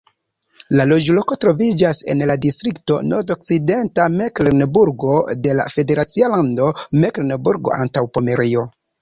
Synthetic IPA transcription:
lalo̞d͡ʒlo̞ko̞tɾo̞vid͡ʒase̞̰nladistɾikto̞̰no̞ɾdo̞k̚t͡side̞ntameklenebuɾɡo̞de̞la̰fe̞de̞ɾat͡sialando̞meklenebuɾɡo̞̰a̰ntawpome̞ɾio̞

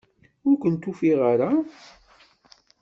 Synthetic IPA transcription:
ʊɾkʷənt̪ufiʁaɾa

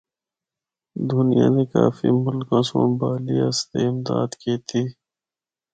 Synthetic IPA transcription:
d̪unijã̰nekaːfimʊlkãːsãːbaːliɐst̪eɪmd̪aːd̪keːt̪ʰiː

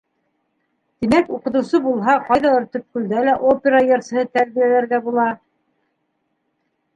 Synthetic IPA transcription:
t̪imækuqɤ̆t̪ɤ̆wsɤbulˠɦɑqɑjðɑɤɾt̪ɵ̆p̚kʉ̆ld̪ælæʔopʲeɾɑjɤ̆ɾshɤt̪æɾβijælæɾɡæbulˠɑ

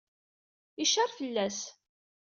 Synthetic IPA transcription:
iʃɑɾˤfəlːæs

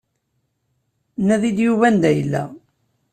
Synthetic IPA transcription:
nːæðid̪juvænd̪æjəlːæ̰

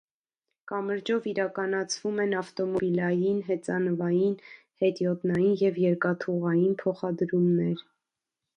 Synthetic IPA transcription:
kɑməɾd͡ʒɔviɾɑkɑnɑt͡sʰvumɛnɑft̪ɔmɔbilɑjinɦɛt͡sɑnəvɑjin | hɛt̪jɔt̪nɑjinjɛvjɛɾkɑt̪ʰuʁɑjinpʰɔχɑd̪ɾumnɛɾ

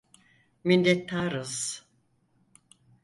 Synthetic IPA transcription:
mind̪ɛt̪ʰːaːɾɯz̥

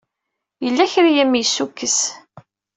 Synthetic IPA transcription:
jəlːæçɾijæmːijsːukːəs

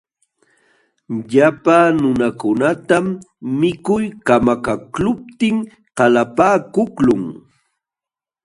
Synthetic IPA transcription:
ʎapanʊnakʊnat̪amː | ɪkʊjkamakaklʊp̚t̪ɪŋ | qɑlapaːkʊklʊŋ

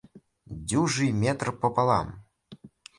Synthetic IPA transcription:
d͡zʲuʐɨjmʲɛt̪rpɔpalˠa̰m

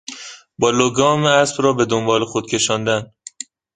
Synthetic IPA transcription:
bɒːloɡɒːmeæsbɾɒːbe̞d̪ombɒːlexod̪̥cʰe̞ʃɒːnd̪æn

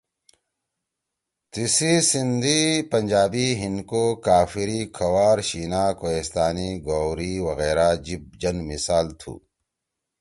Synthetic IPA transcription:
t̪isisind̪ʱipɐɲʲd͡ʑaːbiːɦinkokaːfiɾiːkʰɐwaːɾɕiːnaːkoːest̪aːniːɡoːwɾiwɐɣeːɾaːd͡ʑib̚d͡ʒɐnmisaːlt̪ʰṵː

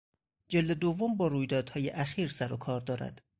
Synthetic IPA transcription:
d͡ʒeld̪e̞d̪ovːombɒːɾuːjd̪ɒːd̪̥hɒːjeʔæxiːɾsæɾokʰɒːɾd̪ɒːɾæ̰d̪̥

